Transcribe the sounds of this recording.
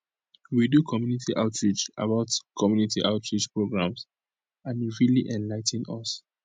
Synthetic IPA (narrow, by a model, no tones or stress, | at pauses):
widukʰɔmjunitʰiʔaʊtɹid͡ʒa̰baʊtkʰɔmjunitʰiʔaʊtʰɹid͡ʒpɹoɡɹãms | ãnjuɹiliʔɛ̃nlaɪtn̩ɔs